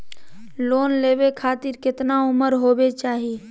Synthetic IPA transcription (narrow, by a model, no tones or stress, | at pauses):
loːnleːbekʰaːt̪ɪɾkɪt̪naʊməɾɦoːbet͡ʃaːɦie